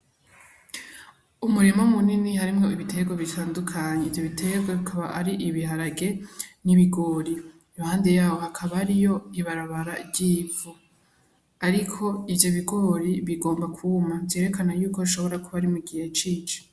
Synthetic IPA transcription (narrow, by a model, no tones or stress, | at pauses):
umuɾimomuninihaɾimŋo̞iβitʰe̞ɡwoβitʰaːndukʰaɲeivjo̞βitʰe̞ɡweβikʰaβa̰aɾiʔiβihaɾaɡe̞niβiɡo̞ːɾi | johaːnde̞jaːwo̞hakʰaβaɾijo̞iβaɾaβaɾaɟiːvu | aɾikʰo̞ivjo̞βiɡo̞ɾiβiɡo̞ːmbakʰumavje̞ːɾe̞kanajuːko̞iʃo̞βo̞ɾakuβaɾimuɡihet͡ʃiːt͡ʃi̥